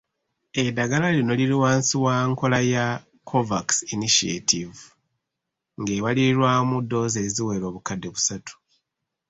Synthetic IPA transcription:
e̞daɡalalino̞liliwaːnsiwaŋko̞laja | kʰo̞vaksiniʃiḛtʰivu | ŋɡe̞ːβaliɾwamudːo̞ze̞ːziwe̞ːɾo̞ːβukadːe̞βusatʰu̥

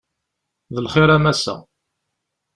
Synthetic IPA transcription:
ðəlχɪɾæmæsæ̰

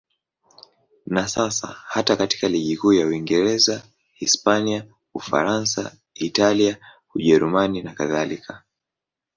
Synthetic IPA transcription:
nasasa̰hatakati̥kaliʄikuːjawiŋɡɛɾɛza | hispania | ufa̰ɾansa | italia | uʄɛɾumaninakaðalikʰa

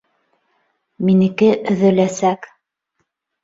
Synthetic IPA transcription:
minɘ̆kɘʔɵ̆ðɘ̆læsæk

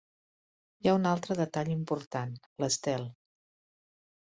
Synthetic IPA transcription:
jaunalˠt̪ɾəðət̪aʎimpuɾt̪an | ləst̪ɛlˠ

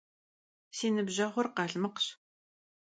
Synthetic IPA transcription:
siːnɨbʑɐʁʷʊrqɑːɬmɨqɕ

